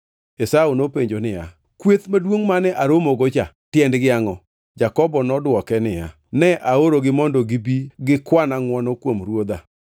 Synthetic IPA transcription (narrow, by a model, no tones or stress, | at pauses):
esaunopeɲd͡ʒonɪja̰ | kwet̪madwoŋmanɛʔaɾomoɡot͡ʃa | tjɛndɡɪaŋɔ | d͡ʒakɔbɔnɔdwɔkɛnɪja̰ | nɛʔaoɾoɡɪmɔndɔɡɪbiɡɪkwanaŋwɔnɔkwomɾwod̪a